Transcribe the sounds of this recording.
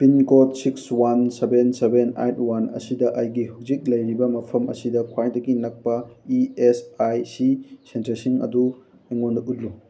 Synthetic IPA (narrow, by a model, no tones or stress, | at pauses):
pinkotsikswansebensebena̰jtwanɐ̰sidɐʔɐjɡihawzik̚lɐjɾibɐmɐpʰɐmʔɐ̰sidɐkʰwajdɐɡinɐk̚pɐiesajsisentesiŋɐ̰du | eŋondɐʔut̚lu